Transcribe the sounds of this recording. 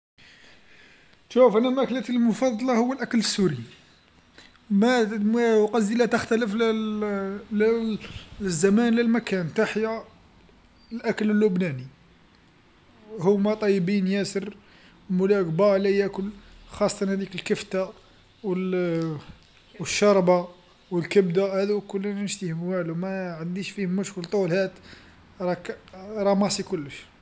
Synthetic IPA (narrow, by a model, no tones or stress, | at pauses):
ʃufʔænæmæklæt̪əlmʊfɑd̪ˤːɑlɑhʊwːəlʔækləsːuɾi | mæ | qɑzilæt̪əxt̪æləfl | l | zːæmænləlmækænt̪aħja | lʔækələlːʊbnæni | hʊmːæt̪ˤɑjːəbinjæsəɾ | mʊlækbɑʕlæjækʊlxɑsˤːɑt̪ɑnhæd̪ikəlkəft̪a | wəl | wəʃːɑɾˤbɑ | wəlkəbd̪ahæd̪ukʊlːinnʃt̪ihmwælwmæʕənd̪iʃfihmːʊʃkəlt̪ˤulhæt̪ | ɾˤɑkɾˤɑmɑsˤikʊlːəʃ